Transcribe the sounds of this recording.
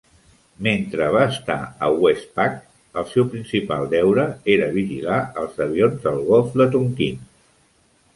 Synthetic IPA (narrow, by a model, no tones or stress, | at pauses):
ment̪ɾəβ̞aːst̪a̰ə̰wɛspak | əlˠsɛwpɾinsipa̰lˠd̪ɛwɾəeɾəβiʒḭlaəlˠzəβ̞ionzðəlˠɣɔlˠfd̪ət̪uŋkin